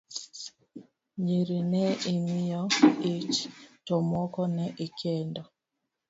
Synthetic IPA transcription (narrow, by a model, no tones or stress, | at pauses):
ɲiɾinɛimijɔit͡ʃtɔmɔkɔnɛʔikʰɛndɔ